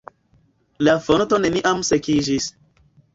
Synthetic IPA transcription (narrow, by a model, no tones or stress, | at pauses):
lafonotoneniʔamsekid͡ʒis